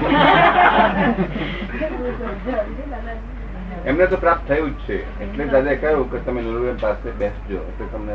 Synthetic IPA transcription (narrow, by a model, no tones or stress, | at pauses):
emnet̪opɾap̚t̪ʰːəjũd͡ʒt͡ʃʰe | eʈleɾad͡ʒakəɾũket̪əmenəɾuəmpasebɛ̃sd͡ʒoeʈlet̪əmne